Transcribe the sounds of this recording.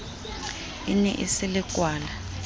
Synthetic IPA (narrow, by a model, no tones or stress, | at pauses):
inɛ̰ʔḭsɪlɪkʼwaːla